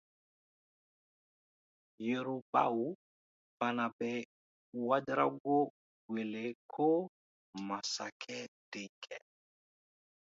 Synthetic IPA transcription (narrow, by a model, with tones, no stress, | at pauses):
je˨ɾu˨ba̰˦˨wu˨˦ | pa˨na˨bɛ˨ | wa˦dɾa˦ɡo˦ | we˨le˨kʰo˦ | ma˨sa˨kʰɛ˦d̥e˨kɛ˨